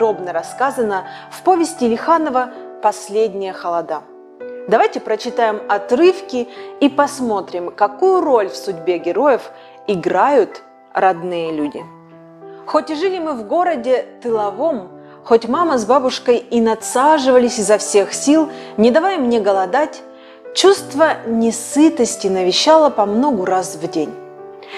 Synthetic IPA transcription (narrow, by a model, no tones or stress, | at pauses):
d̪ɾo̞bnəɾɐskazənəfpo̞vʲɪsʲtʲɪlʲɪxanəvəpɐsʲlʲedʲnʲɪjəxəlˠɐd̪a | d̪ɐvajtʲɪpɾət͡ɕɪt̪ajɪmɐt̪ɾɨfkʲɪipɐsmo̞t̪ɾʲɪmkɐkujʊɾolʲfsʊdʲbʲe̞ɡʲɪɾo̞jəf | ɪɡɾajʊt̪ | rɐd̪nɨjəlʲudʲɪ̰ | xotʲɪʐɨlʲɪmɨvɡo̞ɾədʲɪt̪ɨlˠɐvo̞m | xotʲmaməzbabʊʂkəjinɐt̪saʐɨvəlʲɪsʲɪzɐfsʲe̞xsʲilˠnʲɪd̪ɐvajmnʲe̞ɡəlˠɐd̪atʲ | t͡ɕust̪vənʲɪsɨt̪əsʲtʲɪnəvʲɪɕːalˠəpɐmno̞ɡʊɾasvdʲenʲ